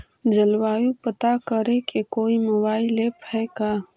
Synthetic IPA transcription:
d͡ʒɐlwaːjupət̪akəɾẽkekoːimoːbaːɪleːphɛkaː

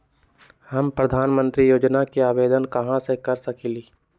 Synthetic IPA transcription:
hɐmpɾɐd̪ʱaːnmə̃nt̪ɾijoːd͡ʒnakiaːʋeːd̪ənkɐɦãsekɐɾsɐkiliː

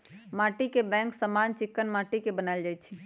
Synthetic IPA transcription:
maːʈikebɛ̃ːŋksəmaːnt͡ʃɪkːənmaːʈikebənaeld͡ʒaːit͡ʃʰi

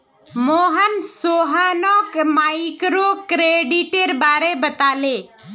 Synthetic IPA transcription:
moːɦənsoːɦaːnoːkmaːikɾoːkɾeːɖiʈeɾbaːɾebət̪aːleː

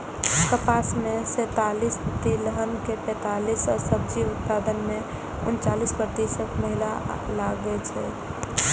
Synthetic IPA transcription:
kəpasmesɛ̃t̪alist̪iləɦənkepɛ̃ːt̪alisɔɾsəb̚d͡ʒiʊt̪̚pad̪ənme | ʊ̰nt͡ʃalispɾət̪isəkməɦila | laɡɛt͡ʃʰɛ

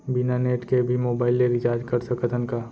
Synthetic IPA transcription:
bɪnaneːʈkebʱimoːbaːɪlːeɾɪt͡ʃaːɾd͡ʒkɐɾsɐkət̪ʰənka

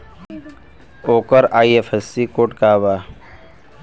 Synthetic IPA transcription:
oːkəɾaːiefʰesːikoːʈkaːʋaː

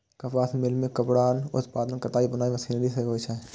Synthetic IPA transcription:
kɐfaːsmɪlmẽkɐpɽaːnʊ̰t̪paːd̪nə̃kɐt̪aːibʊnaːiʋɐsiːnɾisekoʋt͡ʃʰa

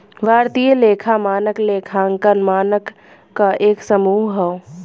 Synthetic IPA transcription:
bʱaːɾt̪ijəleːkʰamaːnəkleːkʰaːŋkənmaːnəkː | aʔeːksəmuːɦɦɔo

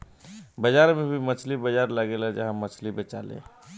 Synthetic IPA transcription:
bəd͡ʒaɾmebʱimət͡ʃʰlibəd͡ʒaɾləɡelad͡ʒaɦãmːət͡ʃʰlibət͡ʃalḛ̃

